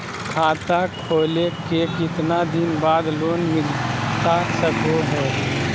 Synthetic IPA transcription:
kʰaːt̪akʰoːlekekɪt̪nad̪ɪnbaːd̪loːnmɪlt̪asəkoɦɛː

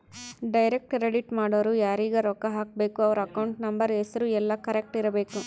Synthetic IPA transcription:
ɖɐjɾek̚ʈɾeɖiʈmaːɽoʋɾujaːɾiːɡɐɾɔːkːɐɦaːk̚be̞ːkuɐʋɐɾuɐkɐwɳʈnɐmbɐɾesɐɾuɛlːɐkɐɾek̚ʈiɾɐbe̞ːku

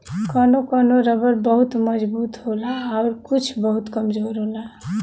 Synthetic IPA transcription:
kənokənoɾəbəɾbəɦut̪məd͡ʒbut̪ɦolaːʊɾkut͡ʃʰbəɦut̪kəmd͡ʒoɾɦola

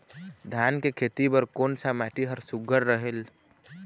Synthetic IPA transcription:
d̪ʱjankekʰet̪ibəɾkoːnsamaʈiɦəɾsuɡʱəɾːəɦel

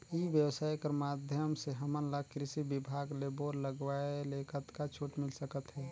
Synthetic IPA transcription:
ibjəwsaːjkəɾmad̪ʱjəmseɦəmənləɡkɾɪsibibʱaɡleboɾləɡʋaelekʰət̪kat͡ʃʰuʈmɪlsəkət̪ɦɛː

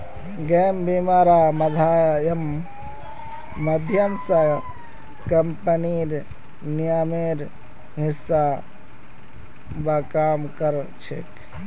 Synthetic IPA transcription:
ɡeːmbimaːɾaːmɐd̪ʱaːjɐm | ɐd̪ʱjɐmsɐ | kɐmpɐniɾ | nijaːmeɾ | ɦisːa | bakaːmkɐɾ | t͡ʃʰḛk

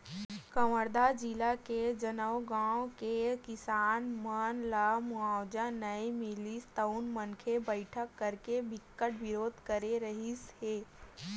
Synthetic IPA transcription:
kəməɾd̪ad͡ʒilaked͡ʒənəwɡãːwkekɪsaːnmənlamuaːwd͡ʒanəimɪlist̪əʊnmənkʰebəɪʈʰəkːəɾkebɪkːəʈʋɪɾoːd̪ʱkəɾeɾəɦisheː

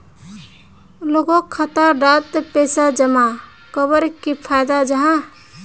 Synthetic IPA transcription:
loɡokʰːət̪aɖat̪pesad͡ʒəma | kəbəɾkipʰajd̪ad͡ʒəɦã

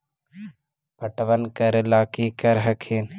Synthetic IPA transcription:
pəʈʋənkəɾlaːkikəɾɦəkʰin

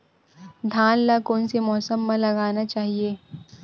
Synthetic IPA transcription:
d̪ʱãːnlakoːnsemɔːsəmːãlɐɡaːnat͡ʃaːɦieː

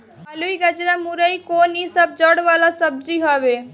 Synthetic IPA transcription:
əluiɡəd͡ʒɾamuɾəjkonisəb̚d͡ʒəɽʋalasəb̚d͡ʒiɦɔbe

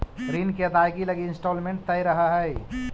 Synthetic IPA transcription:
ɾinkeət̪ajɡiləɡiɪnsʈoːlmẽɳʈ̚t̪əjɾəɦəɦəj

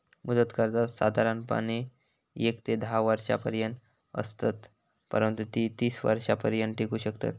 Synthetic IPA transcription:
mud̪ət̪kəɾt̪asad̪ʱaɾanpa̰ni | ekt̪ed̪ʱaʋaɾɕa̰pəɾjənt̪ | ə̰st̪at̪ | pə̰ɾənt̪ut̪iːt̪iːsʋa̰ɾɕapəɾjənʈekuːɕəkt̪a̰t̪

